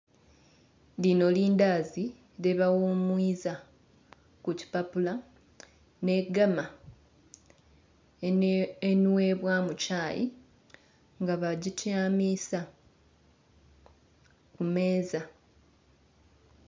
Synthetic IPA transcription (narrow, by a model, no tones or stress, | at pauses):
lino̞liːndaːzi | leβawoːmwiːza | kuci̥papula | ne̞ɡama | enwe̞βwamucaːjḭ | ŋɡaβaɟitʰjaːmisa | kume̞ːza